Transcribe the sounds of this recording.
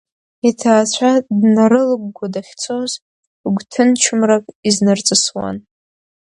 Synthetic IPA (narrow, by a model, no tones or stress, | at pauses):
itʰaːt͡ɕʷʰadnaɾɨlɨɡ̚ʷɡʷadaχʲt͡sʰoz | ɡʷtʰɨnt͡ʃʰɨmrakʼiznɨrt͡sʼɨswa̰n